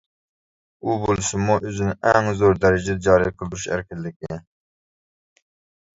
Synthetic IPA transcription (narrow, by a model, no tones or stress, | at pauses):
ubolˠɨʃumuʔøzɪnɪʔɛŋzoɾd̪ɛɾɪd͡ʒɪd̪ɛd͡ʒɑːɾɨjqʰəlˠd̪uɾuʃæ̰ɾkʲɪlːɪkʲɪ